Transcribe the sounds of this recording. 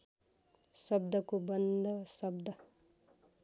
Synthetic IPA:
sɐb̚d̪ɐkubɐnd̪ʱɐsɐbd̪ʱɐ

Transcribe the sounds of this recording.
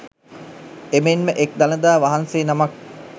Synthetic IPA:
emenməʔek̚d̪anəd̪aːʋaɦanseːnamak̚

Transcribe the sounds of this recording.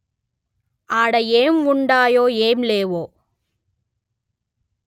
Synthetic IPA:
aːɽɐeːmʊɳɖaːjoːeːmleːʋoː

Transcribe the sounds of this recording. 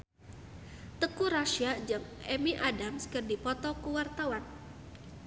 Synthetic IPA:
t̪əkuɾaʃiad͡ʒaŋɛmiʔadamskərdipɔt̪ɔkuwart̪awan

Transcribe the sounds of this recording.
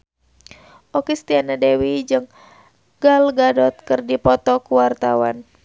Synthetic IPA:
ʔɔkist̪ianadewid͡ʒɨŋ | ɡ̥alɡadɔt̪̚kɨrdipɔt̪ɔkuwart̪awan

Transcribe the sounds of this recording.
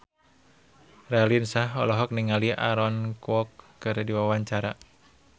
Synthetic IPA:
rɛlinsaɦɔ̰lɔɦɔk̚niŋaliʔa̰ɾɔnkwɔkːɨrdiwawaɲt͡ʃaɾa

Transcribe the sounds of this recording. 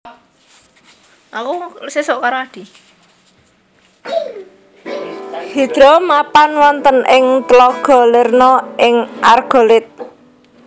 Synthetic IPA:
akusesʊʔkaɾoad̪̥i̤ | hid̪̥ɾɔmapanwɔnt̪ənʔɪŋt̪lɔɡ̥ɔ̤lɪrnɔɪŋʔarɡ̥o̤lɪt̪̚

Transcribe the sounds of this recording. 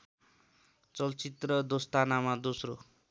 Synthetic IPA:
t͡sʌlt͡sit̪rʌd̪ost̪anamad̪osro

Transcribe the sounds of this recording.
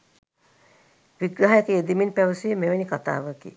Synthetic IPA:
ʋiɡɾaɦajəkeed̪iminpæʋəsimeʋenikat̪a̰ːʋəkḭ

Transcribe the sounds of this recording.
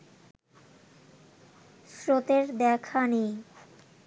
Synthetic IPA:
sɾot̪eɾd̪ɛkʰanej

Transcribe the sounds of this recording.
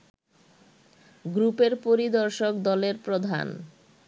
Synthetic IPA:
ɡɾupeɾpoɾid̪ɔɾʃokd̪ɔleɾpɾod̪ʱa̰n

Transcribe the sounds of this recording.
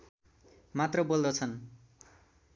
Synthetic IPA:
mat̪rʌbold̪ʌt͡sʰʌn

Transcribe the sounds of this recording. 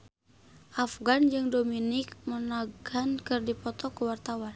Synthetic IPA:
ʔafɡand͡ʒɨŋdominɪk̚mənaɡankɨrdipɔt̪ɔkuwart̪awan

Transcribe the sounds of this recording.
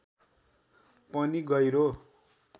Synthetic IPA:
pʌniɡʌjɾo

